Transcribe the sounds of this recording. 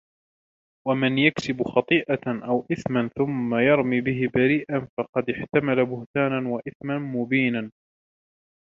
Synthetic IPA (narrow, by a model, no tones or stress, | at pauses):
wamɪnjaksɪbxɑt̪ˤiːʔaʔawʔɪθmanθʊmːajɑɾˤmiːbɪɦɪbaɾiːʔanfɑqɑd̪ɪħt̪amalabʊht̪aːnanwaʔɪθmanmʊbiːnan